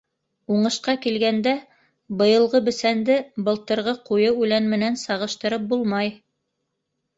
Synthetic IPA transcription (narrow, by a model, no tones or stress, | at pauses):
uɴɤ̆ʃqɑkilɡænd̪æ | bɤ̆jɤ̆lˠʁɤbɘ̆sænd̪ɘbɤ̆lˠt̪ɤ̆ɾʁɤqujɤujlænmɘ̆nænsɑʁɤ̆ʃt̪ɤ̆ɾɤp̚bulˠmɑj